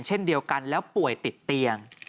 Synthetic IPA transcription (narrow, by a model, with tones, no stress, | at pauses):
nt͡ɕʰe˦˥˩ndi˧əwka˧nlɛː˦˥wpu˨˩əjt̪i˨˩t̪ːi˧əŋ